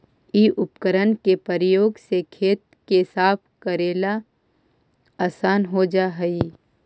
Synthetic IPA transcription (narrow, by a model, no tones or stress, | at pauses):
iʔʊpkəɾənkepəɾjoːɡsekʰeːt̪̚ | kesaːpʰkəɾeːla | aːsaːnɦod͡ʒaɦɛi